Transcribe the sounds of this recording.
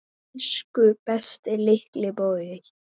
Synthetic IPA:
skʏb̥ɛst̪ɪlɪhklɪboɥɪ

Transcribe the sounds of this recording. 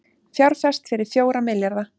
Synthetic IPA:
θjawɾ̥fɛst̪fɪɾɪɾ̥fjoːwɾamɪljaɾða

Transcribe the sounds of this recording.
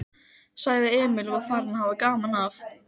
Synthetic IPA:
saɣðɪɛːmɪlɔafaːɾanahaːvakaːmanaf

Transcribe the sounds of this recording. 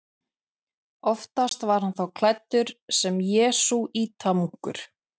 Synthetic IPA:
ɔft̪ast̪vaɾ̥hanθawkʰl̥ajt̪ːʏɾ̥sɛmjɛːsuiːt̪ʰamuŋ̥kʏ̰ɾ̥

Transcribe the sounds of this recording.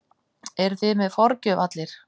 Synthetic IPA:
ɛɾ̥θɪmɛðfɔɾcʏvat̪lɪɾ̥

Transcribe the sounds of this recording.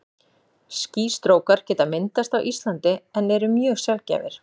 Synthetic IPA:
sciːst̪ɾoːwkaɾ̥cɛːt̪amɪnt̪ast̪awʔist̪lant̪ɪɛnɛɾʏmjœːɣsjalca̰ːvɪ̰ɾ̥

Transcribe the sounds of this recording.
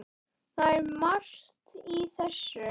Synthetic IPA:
θaɛɾmaɾ̥t̪iθɛsʏ

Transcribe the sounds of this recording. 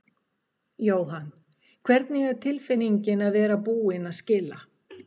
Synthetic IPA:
joːwɦanː | kʰvɛɾt̪nɪɣɛɾ̥t̪ʰɪlfɪnːiɲcɪnaðvɛːɾapuːɪnaðscɪlːa

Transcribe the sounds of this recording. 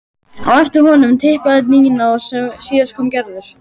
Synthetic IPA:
a̰wɛft̪ɪɾ̥ɦɔnʏmt̪ʰɪhpaðɪt̪niːjɪnasɛsiːðaskʰɔːmcɛɾðʏɾ̥

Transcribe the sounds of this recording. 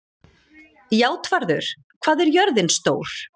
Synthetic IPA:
jaːwt̪vaɾðʏɾ̥ | kʰv̥aːðɛɾjœɾðɪnst̪oːwɾ̥

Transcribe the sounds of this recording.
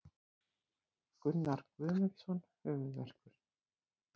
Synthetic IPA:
kʏnnaɾ̥kvʏːmʏɾsɔnhœːvʏðvɛ̰r̥kʏɾ̥

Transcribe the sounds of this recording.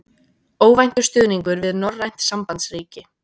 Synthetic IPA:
oːwvajn̥t̪ʏ̥st̪ʏːðniŋkʏɾvɪðnɔrːajn̥t̪sampant̪sriːcɪ

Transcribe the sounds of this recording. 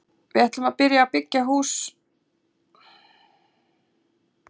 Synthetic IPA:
vɪðɛht̪lʏmaðpɪɾjaːwpɪcːaɦuːs

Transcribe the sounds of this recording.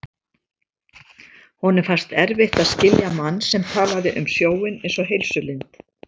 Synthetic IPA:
hɔnɛɾfar̥st̪ɛɾvɪht̪aðscɪljamanːsɛmt̪ʰaːlaðɪʔʏmsjoːwɪnejnsɔɦejlsʏlɪnt̪

